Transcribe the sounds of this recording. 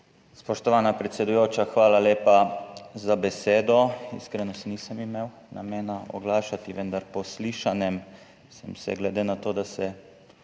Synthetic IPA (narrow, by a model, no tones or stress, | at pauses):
spɔʃt̪ɔʋaːnapɾɛt̪sɛd̪ujoːt͡ʃaxʋaːlaleːpazabɛseːd̪ɔḭskɾɛnɔsnisəmimeːw | na̰meːnaɔ̰ɡlaːʃat̪iʋənd̪aɾpɔsliːʃanjɛm | sɛmsɛ̰ɡlɛd̪eːnat̪oːd̪asɛ